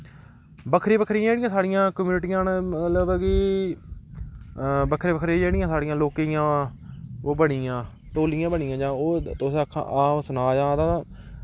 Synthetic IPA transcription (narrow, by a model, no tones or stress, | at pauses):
bəkʰɾiːbəkʰɾijãːd͡ʒeːɽɪjãːsaːɽɪjãːkmjuːnʈijãːnmət̪ləbɡiː | bəkʰɾeːbəkʰɾiːd͡ʒeːɽɪjãːsaːɽɪjãːloːkejãː | oːbəɽijãː | ʈoːlɪjãːbəɳɪjãːd͡ʒãːoːt̪oskʰːã̰ʔaːsʊnaːd͡ʒãːd̪aː